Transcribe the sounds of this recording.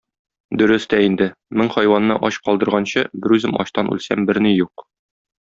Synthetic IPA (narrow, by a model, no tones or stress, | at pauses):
d̪ɵ̆ɾɘst̪æind̪ɘmɘŋχɒjwɑnːɤʔɒɕqɒlˠd̪ɤ̆ɾʁɑnɕɤbɘɾʉzɘmʔɒ̰ɕt̪ɑnʉ̰lsæmbɘɾnijuq